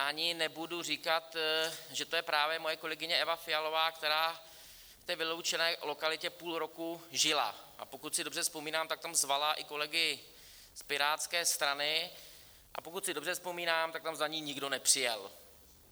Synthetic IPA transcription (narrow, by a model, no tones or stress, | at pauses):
ʔaɲɪnɛbudur̝ikat̪ʒɛt̪ojɛpɾaːvjɛmo̞jɛko̞lɛɡɪɲɛʔɛvafɪjalo̞vaːkt̪ɛɾaː | ft̪ɛːvɪlo̞wt͡ʃɛnɛːlo̞kalɪcɛpuːlɾo̞kuʒɪla̰ʔa̰po̞kut̪sɪdobrɛspo̞miːnaːmt̪ak̚t̪amzvalaʔɪko̞lɛɡɪ | spɪɾaːt̪t͡skɛːst̪ɾanɪ | ʔa̰pokut̪sɪdobr̝ɛspo̞miːnaːmt̪akt̪amzaɲiːɲɪɡdo̞nɛpr̥ɪjɛl